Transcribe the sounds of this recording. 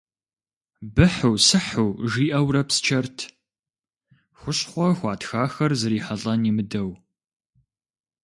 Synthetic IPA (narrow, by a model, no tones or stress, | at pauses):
bɨħʊwsɨħuwʒiːʔɐwɾɐpst͡ʃʰɐrtʰ | xʷʊɕʼχʷɔxʷɑːtxaːxɐrzɨɾiːħɐɮʼɐnimɨdɐw